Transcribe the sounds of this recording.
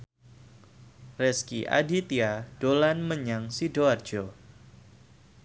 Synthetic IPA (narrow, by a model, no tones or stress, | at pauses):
rɛskiʔa̰dit̪iad̥olanməɲaŋsidoard͡ʒo